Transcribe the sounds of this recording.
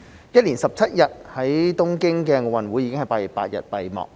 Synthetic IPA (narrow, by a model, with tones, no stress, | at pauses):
jɐ˥t̚liː˨˩nsɐ˨p̚t͡sʰɐ˦˥t̚jɐ˨t̚hɐ˨˦˥jt̪ʊ˥ŋkɪ˥ŋkɛː˧ŋo˨˧wɐ˨nwuː˨˥ji˨˧kɪ˥ŋhɐ˨˩jpaː˧t̚jɐ˨˩pa̰ː˧t̚jɐ̰˨t̚pɐ˨jmɔ̰ː˨k̚